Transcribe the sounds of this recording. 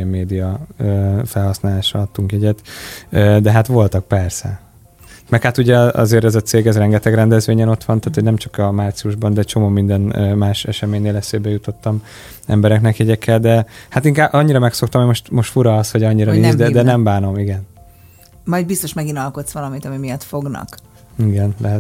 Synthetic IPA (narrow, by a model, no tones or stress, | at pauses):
ɛmːeːd̪ijɒøːfɛlɦɒsnaːlaːʃɒɒt̪ːuŋkjɛɟɛt̪ød̪ɛɦat̪ʋo̞lt̪ɒk̚pɛrsɛ̰ | mɛkhat̪uɟɛɒ̰zeːɾɛzɒt̪seːɡɛzrɛŋɡɛt̪ɛɡɾɛnd̪ɛzʋeːɲɛno̞t̪ʋɒnt̪aːt̪ʰoɟnɛmt͡ʃɒ̥kɒmaːrt̪siuʒbɒnd̪ɛt͡ʃo̞moːmind̪ɛnːmaːʃɛʃɛmeːɲneːlɛseːbɛjut̪o̞t̪ːɒm | ɛ̰mbɛɾɛknɛkjɛɟɛkʰːɛld̪ɛhat̪iŋkaːbʔɒɲːiɾɒmɛkso̞kt̪ɒmɛmo̞ʃt̪mo̞ʃt̪fuɾɒːshoɟɒɲːiɾɒniːzd̪ɛd̪ɛnɛmbaːno̞miɡɛn | mɒjd̪̚bist̪oʃmɛɡinɒlko̞t̪sʋɒlɒmit̪ɒmimijɒt̪fo̞ɡnɒ̰k | iɡɛnlɛɦɛt̪